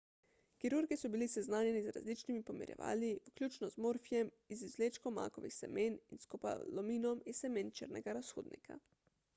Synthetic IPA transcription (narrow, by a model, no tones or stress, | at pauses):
kiɾuɾɡisɔbilisɛznaːnjɛnizɾa̰zlit͡ʃnimipɔmḭɾjɛ̰ʋa̰ːliwuklʲjut͡ʃnɔzmoːɾfijɛm | izizleːt͡ʃkɔma̰ːkɔʋḭxsɛ̰meninskɔpa̰lɔmiːnɔmisɛment͡ʃə̰ɾnɛɡaɾasxoːd̪nḭkʰa̰